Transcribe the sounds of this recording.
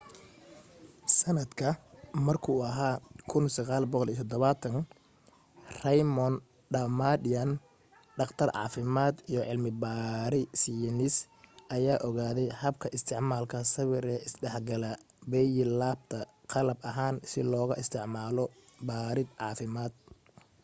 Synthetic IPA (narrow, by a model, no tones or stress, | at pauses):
sɐnɐd̪kʰɐmɐrkʰuːɐɦaːkʰʊnsɐɣaːlbɔqɔliːt̪ʰɔd̪ɔβaːt̪ʰɐn | rɛjmɔn | ɖɐmadɪɐn | ɖɑqt̪ʰɐrʕɑ̰ːfɪmaːd̪ijɔʕɪlmɪbaːɾɪsiːnɪs | ʔɐjaːʔɔɣaːðɛjhɐb̚kʰɐʔɪst̪ʰɪʕmaːlkʰɐsɐβɪɾɛɪsɖɛħɡɐla | bɛjɪlaːb̚t̪ʰɐqʰɑlɐbɐɦaːnsɪlɔːɣɐʔɪst̪ʰɪʕmaːlɔbaːɾɪd̪ʕɑːfɪmaːd̪̚